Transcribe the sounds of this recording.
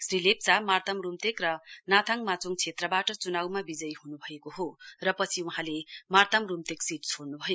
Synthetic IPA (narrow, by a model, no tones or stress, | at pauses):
sɾilep̚t͡samart̪ʌmrumt̪ekrʌnat̪ʰaŋmat͡soŋt͡sʰet̪rʌbaʈʌt͡sunawmabid͡zʌjhunubʱʌekoɦorʌpʌt͡sʰiwuɦãlemart̪ʌmrumt̪eksitt͡sʰoɽnubʱʌjo